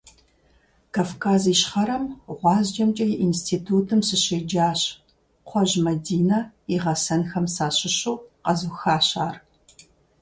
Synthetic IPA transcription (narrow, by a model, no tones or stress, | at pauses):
kʰaːfkʰaːziːʃχɐɾɐmʁʷɑːzd͡ʒɐmt͡ʃʼɐjʔinstʰiːtʰuːtʰɨmsɨɕeːd͡ʒaːɕ | qʷʰɔʒmɐdiːnɐiʁɐsɐnxɐmsaːɕɪɕuːqɐzuxaːɕaːr